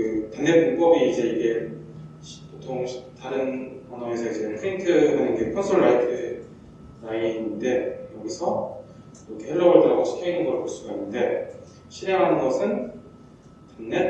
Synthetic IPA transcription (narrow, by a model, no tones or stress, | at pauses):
kɯtanːepup͈ʌbiid͡ʑe̞iɡe̞ | ɕpotʰoŋɕʰtaɾɯnʌnʌɡesʰʌid͡ʑe̞pʰɯintʰɯɦanɯnɡekʰʌnsʰoɭːaitʰɯ | ɾaininde̞jʌɡisʰʌ | okeɦeɾːʌbʌɭtɯɾaɡoɕʰi̥kʰeinɯnɡʌɾɯɭpoɭs͈uɡainːɯnde̞ | ɕʰiɾeŋɦanɯnɡʌsʰɯn | tanːe